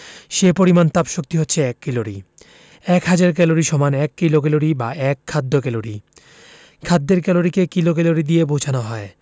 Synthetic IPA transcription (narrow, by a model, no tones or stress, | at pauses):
ʃepoɾimant̪apʃok̚t̪iɦotːʰeɛkːiloɾḭ | ɛkɦad͡ʑaɾk̬ɛloɾiʃɔmanɛkːilok̬ɛloɾibaɛkʰːad̪ːokɛloɾi | kʰad̪ːeɾkɛloɾikekilok̬ɛloɾid̪iepowd͡ʑʰanoɦɔe